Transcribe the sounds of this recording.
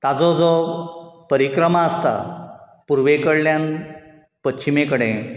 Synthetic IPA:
t̪ad͡zɔd͡zɔ | pəɾikɾəmaəst̪a̰ | puɾʋekəɽljãn | pətːɕimekəɽẽ

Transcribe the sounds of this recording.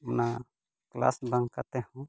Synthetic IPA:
una | kla̰sbãŋkat̪ɛhũ

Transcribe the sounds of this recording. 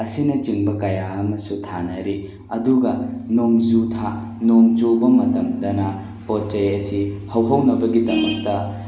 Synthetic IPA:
ɐsinɐt͡ʃiŋbɐkɐjaɐmɐsutʰanɐɾi | ɐduɡɐnoŋzutʰa | noŋd͡ʒobɐmɐtɐmdɐnɐ | pɔt̚t͡ʃɐjɐsihɐwɦɐwnɐbɐɡidɐmɐk̚tɐ

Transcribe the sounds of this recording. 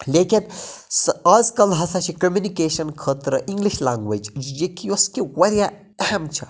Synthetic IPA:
lekinsaːzkɐlɦɐsʰɐt͡ʃʰikomunikeːʃɐnkʰəːt̪ɾɨʔiŋɡliʃlaːŋɡʋed͡ʒd͡ʒjikioskiwɐɾja | ɐɦɐmt͡ʃʰɐ

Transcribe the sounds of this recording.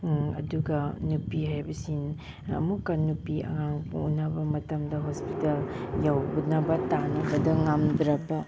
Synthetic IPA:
ɐ̰duɡɐnupiɦajbɐsin | ɐ̰mukːɐnupiʔɐ̰ŋaŋṵnabɐmɐtɐmdɐɦospitɐljawbunɐbɐtanɐbɐdɐŋamdɾɐpɐ

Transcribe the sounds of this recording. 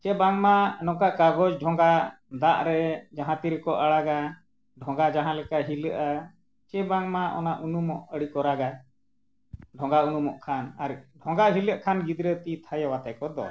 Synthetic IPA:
t͡ʃɛbaŋmanɔkaʔkaɡɔd͡ʒɖʱɔŋɡa | d̪aʔɾɛd͡ʒaɦãt̪iɾɛkɔʔaɽaɡa | ɖʱɔ̃ŋɡad͡ʒaɦãlɛkaʔɦiləʔa | t͡ʃɛbaŋmaʔɔ̰naʔunumɔʔəɽikɔɾaɡa | ɖʱɔ̃ŋɡaunumɔʔkʰana̰ɾiɖʱɔ̃ŋɡaɦiləʔkʰanɡid̪ɾət̪it̪ʰajawat̪ajkɔd̪ɔ̰

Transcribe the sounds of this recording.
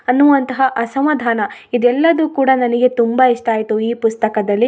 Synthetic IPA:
ɐnːuʋɐnt̪ɐɦɐʔɐsɐmɐd̪ʱaːnɐid̪ɛlːɐd̪ukuːɽanɐniɡe̞t̪umbɐiʂʈaːjit̪uiːpust̪ɐkɐd̪ɐlːi

